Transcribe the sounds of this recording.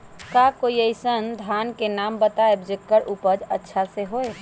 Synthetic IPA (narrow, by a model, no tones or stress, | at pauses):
kakoiəɪsənd̪ʱankenambət̪aebd͡ʒɪkːəɾʔupəd͡ʒə̰tːʃʰaseɦoe